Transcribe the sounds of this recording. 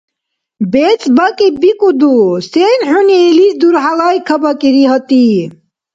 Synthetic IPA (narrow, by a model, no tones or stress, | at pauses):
bet͡sbakibikʼud̪usenħuniːlisd̪uɾɦalaːjkʰəbɐkiɾiɦət̪i